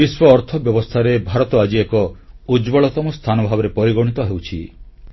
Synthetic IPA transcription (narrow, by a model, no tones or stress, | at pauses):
biswɔːɾt̪ʰɔbjɔbɔst̪ʰaɾebʱaɾɔt̪ɔad͡ʒiekɔud͡ʒbɔɭɔt̪ɔmɔst̪ʰanɔbʱabɔɾepɔɾiɡɔɽ̃it̪ɔɦewt͡ʃʰḭ